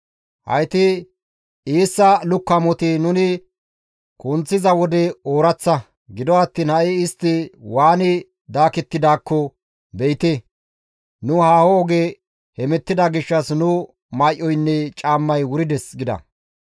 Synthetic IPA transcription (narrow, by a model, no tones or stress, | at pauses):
hɐ̰jt̪ɪ | iːsːɐlʊkːɐmɔt̪ɪnʊnɪ | kʼʊnt͡sːɪzɐwɔd̪ɛoːɾɐt͡sːɐ | ɡɪd̪ɔɐt̪ːiːnhɐʔɪɪst̪ːɪwaːnɪ | d̪aːkɛt̪ːɪd̪aːkːɔ | bɛjt̪e | nʊhaːhɔɔɡe | hɛmɛt̪ːɪd̪ɐɡɪʃːɐsnʊ | maːʔːɔjnːɛt͡ʃʼaːmːɐjwʊɾɪd̪ɛsɡɪd̪ɐ̰